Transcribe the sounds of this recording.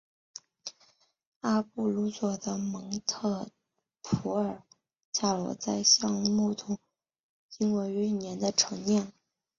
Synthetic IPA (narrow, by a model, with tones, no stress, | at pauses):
a˥pu˥˩lu˧˥swɔ˨˩d̪ə˦mɤ˧˥ŋt̪ʰɤ˥˩ | pʰu˧˥ə˞˨˩ | t͡ɕʰa˥˩lwɔ̰˧˥t͡sa˥˧ɪɕjɑ˥˧ŋmu˥˩t̪ʰʊ˨˥ŋ | i˥ŋwe˧˥ɪy˧˥˧njɛ˧˥nd̪ə˧ʈ͡ʂʰɤ˧˥ŋnjɛ˥˩n